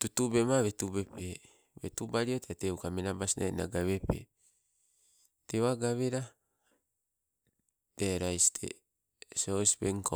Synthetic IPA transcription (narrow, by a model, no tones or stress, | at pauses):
tutubemaβetubepe | betubaɾiotateukamenabasina̰ḭna̰ɡaβepḛ | tewaɡaβeɾa | d̥eɾajstʰḛ | sospeŋko